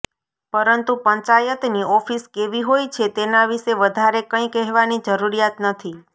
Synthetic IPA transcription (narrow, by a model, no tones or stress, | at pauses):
pəɾənt̪upəɲt͡ʃajət̪niɔfiskeʋiɦojt͡ʃʰet̪enaʋiʃeʋəd̪ʱaɾekə̃ĩkɛɦʋanid͡ʒəɾuɾijat̪nət̪ʰi